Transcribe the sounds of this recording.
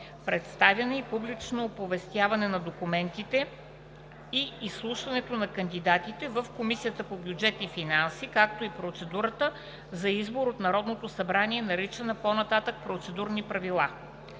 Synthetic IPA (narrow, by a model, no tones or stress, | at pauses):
pɾɛt̪st̪avjɐnɐipublit͡ʃnoːpovɛst̪ʲjavɐnɛnɐd̪okumɛnt̪it̪ɛ | iːslˠuʃvɐnɛt̪onɐkənd̪id̪at̪it̪ɛvəfkomisijət̪əpobjud͡ʒɛt̪ifinansikak̚t̪oipɾot̪sɛd̪uɾət̪ə | zɐizboɾot̪nɐɾɔd̪not̪osɐbɾaniɛnɐɾit͡ʃənɐponɐt̪at̪ək̚pɾot̪sɛd̪uɾnipɾɐvilˠa